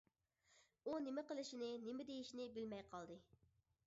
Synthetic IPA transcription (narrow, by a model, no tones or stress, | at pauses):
unɪmɪqəlˠɪʃinɪnɪmɪd̪ejiʃinɪbɪlmɛjqʰɑlˠd̪ɨ